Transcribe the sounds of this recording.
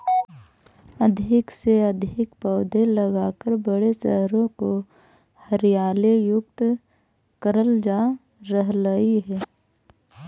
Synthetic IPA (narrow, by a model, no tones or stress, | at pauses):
əd̪ʱɪkseəd̪ʱɪkpəːd̪ʱeləɡaːkəɾbəɽesəɦɾõko | həɾɪjaːlejʊk̚t̪ | kəɾəld͡ʒaː | ɾəɦləiɦɛː